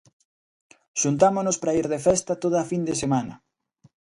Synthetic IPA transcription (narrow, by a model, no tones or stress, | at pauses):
ʃunt̪amonospɾaiɾðefɛst̪ɐt̪oðɐːfind̪esemanɐ